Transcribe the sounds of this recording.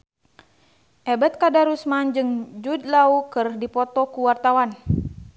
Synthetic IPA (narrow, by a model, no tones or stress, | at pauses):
ʔɛbɛt̪̚kadaɾusmand͡ʒɨŋd͡ʒud̪̚laukɨrdipɔt̪ɔkuwart̪awan